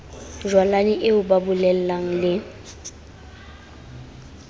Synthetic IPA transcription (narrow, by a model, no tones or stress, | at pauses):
ʒwalaniʔɪʊbabʊlɛl̩laŋ̩lɪ